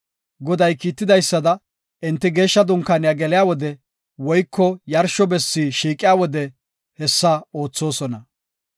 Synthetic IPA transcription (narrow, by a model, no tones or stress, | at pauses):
ɡɔd̪ɐjkiːt̪ːɪd̪ɐjsːɐd̪ɐ | ʔɪnt̪ːɪɡe̞ːʃːɐd̪ʊŋkːanɪjaɡɛlɪjaːwɔd̪ɛ | wɔjkːɔjɐɾʃɔbɛsːiːʃiːkʼːɪjaːwɔd̪ɛ | hɛsːao̞ːt͡sːo̞ːsɔnɐ